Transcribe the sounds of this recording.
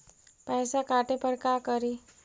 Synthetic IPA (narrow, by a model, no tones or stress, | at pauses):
pəjsakaʈepəɾkakəɾi